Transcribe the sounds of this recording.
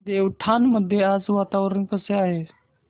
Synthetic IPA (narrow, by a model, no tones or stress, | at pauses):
deːʊʈʰaːnməd̪ʱeaːsʋaːt̪aːʋəɾənkəseaːɦeː